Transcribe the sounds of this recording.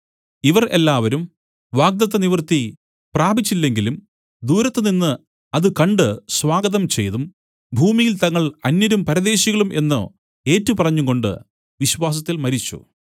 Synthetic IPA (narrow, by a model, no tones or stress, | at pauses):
iʋɐrʔe̞lːaːʋɐɾum | ʋaːɡ̚d̪ɐt̪ːɐniʋrt̪i | praːbit͡ɕːilːe̞ŋɡilum | d̪uːɾɐt̪ːɨninːɨ | ɐðɨkɐɳɖɨswaːɡɐðɐmt͡ɕe̞̰jðum | bʱuːmijilt̪ɐŋːɐɭɐnjɐɾumpɐɾɐðe̞ːɕiɣɐɭumʔe̞nːṵ | e̞ːtːupɐrɐɲːuɣo̞ɳɖɨ̰ | ʋiɕʋaːs̬ɐt̪ːilmɐɾit͡ɕːṵ